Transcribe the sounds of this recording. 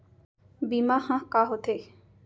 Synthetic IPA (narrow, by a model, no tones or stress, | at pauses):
bimahãkaɦot̪ʰe